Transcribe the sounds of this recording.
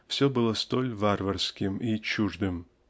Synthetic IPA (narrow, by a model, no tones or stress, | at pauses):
fsʲɵbɨlˠəst̪olʲvarvɐrskʲɪmit͡ɕuʐd̪ɨm